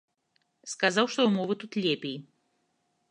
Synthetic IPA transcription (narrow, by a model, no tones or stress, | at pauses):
skazawʂt̪ɔwmɔvɨt̪ut̪lʲɛpʲej